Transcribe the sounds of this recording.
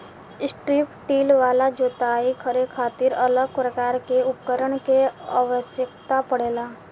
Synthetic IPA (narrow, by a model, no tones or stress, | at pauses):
ɪsʈɾiːpʈiːlʋaːlad͡ʒoːt̪aːikʰəɾekʰaːt̪ɪɾələɡpɾəkaːɾkeʊkːəɾəɽ̃keaʋəʃjək̚ʰt̪apəɽeːlaː